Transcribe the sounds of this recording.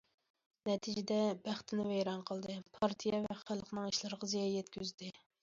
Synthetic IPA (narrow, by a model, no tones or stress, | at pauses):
nɛt̪ʰid͡ʒɪd̪ɛbæχt̪ʰɪnɪvɛjɾɑnqʰəlˠd̪ɨpʰɑɾt̪ʰijɛvɛχælˠqnɨŋiʃlˠɨɾəʁɑzijɑjɛt̪kʲyzd̪ɪ